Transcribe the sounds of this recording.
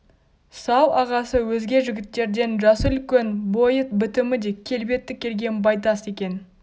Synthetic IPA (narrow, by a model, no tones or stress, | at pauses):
sɑwɑʁɑsəwɵzɡʲe̞ʒɪɡʲɪt̪ːe̞ɾd̪e̞nʒɑsəʏlkʲe̞nbo̞jət̪̚bɪt̪ɪmɪd̪e̞kʲʰe̞lbe̞t̪ːɪkʲʰːe̞ɾɡʲe̞nbɑjt̪ɑse̞kʲe̞n